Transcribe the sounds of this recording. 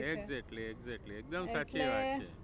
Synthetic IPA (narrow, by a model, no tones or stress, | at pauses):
eɡzekʈlieɡzek̚ʈliek̚d̪əmsat͡ʃʰiʋat̪t͡ʃʰḛ